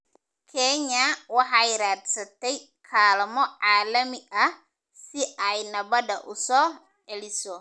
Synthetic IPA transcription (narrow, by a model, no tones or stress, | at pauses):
kʰɛɲɐwɑħɑjɪɾaːd̪sɐt̪ʰɛj | kʰaːlɐmɔʕɑːlɐmɪʔɐ | sɪʔɛjnɐβɐdɐ̰ʔʊsɔː | ʕɛlɪsɔ